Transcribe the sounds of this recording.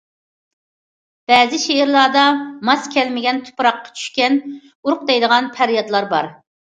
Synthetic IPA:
b̥ɛːzɪʃeɪɾlˠɑd̪ɑmɑskʲʰɛlmɪɡʲɛnt̪ʰu̥pɾɑqːɑ̥t͡ʃʰy̥ʃkʲɛn | uɾʊq̚d̪ɛjd̪əʁɑnpʰæɾjɑt̪lˠɑɾbɑ̰ɾ

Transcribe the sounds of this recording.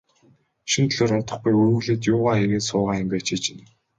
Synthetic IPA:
ʃint̪ʰɮoːɾʊnt̪ɞ̆χɡujuɵ̆ɣɮeːt̪̬jʊːʁaːeɣeːnsʊːʁaːimɡʲeːt͡ɕʰit͡ɕɪ̆n

